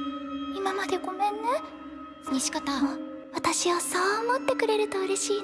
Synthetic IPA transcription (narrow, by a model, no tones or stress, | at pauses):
imamad̪e̞ɡo̞mẽ̞nːɯ | sɨɲ̟iɕi̥kat̪aβat̪aɕiβasoːmo̞t̪ːe̞kɯ̟ɾe̞ɾɯ̟t̪o̞ɯ̟ɾe̞ɕiː